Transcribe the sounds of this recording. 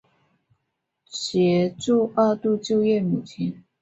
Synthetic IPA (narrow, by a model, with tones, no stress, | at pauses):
ɕjɛ˧˥ʈ͡ʂu˥˧a˥˧t̪u˥˧t͡ɕjo˥˧ʊjɛ˥˩mu˨˩t͡ɕʰi˧˥n